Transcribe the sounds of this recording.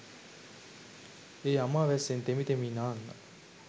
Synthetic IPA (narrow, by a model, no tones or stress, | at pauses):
eːamaːʋɛsent̪emit̪eminaːnːa̰